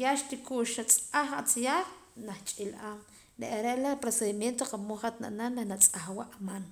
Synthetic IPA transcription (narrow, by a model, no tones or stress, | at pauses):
jaʃt̪ikuʔʃat͡sʼaχat͡sjaːχnaχt͡ʃʼilʔaːm | ɾḛʔaɾeʔlapɾoseðimjent̪oqamoχat̪na̰ʔnanaχnat͡sʼaχwaʔaman